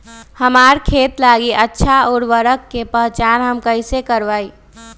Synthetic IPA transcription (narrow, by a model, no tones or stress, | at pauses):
həmaːɾkʰeːt̪laːɡiʔətːʃʰaɔːɾʋəɾəkːepəɦt͡ʃaːɾɦəmkəɪsekəɾʋaːi